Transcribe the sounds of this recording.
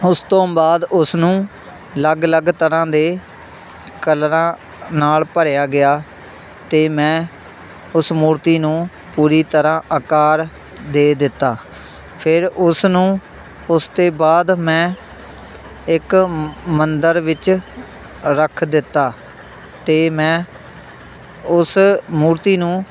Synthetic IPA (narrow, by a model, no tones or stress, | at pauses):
ʊst̪õːbaːd̪ʊsnũː | ləɡləɡt̪əɾãːd̪eː | kəlɾãː | naːlpəɾjaːɡɪjaː | t̪eːmɛ̃ː | ʊsmuːɾt̪iːnũː | puːɾiːt̪əɾãːʔəkaːɾ | d̪eːd̪ɪt̪ːaː | pʰɪɾʊsnũː | ʊst̪eːbaːd̪mɛ̃ː | ɪkmənd̪əɾʋɪt͡ʃ | ɾəkʰd̪ɪt̪ːaː | t̪eːmɛ̃ː | ʊsmuːɾt̪iːnũː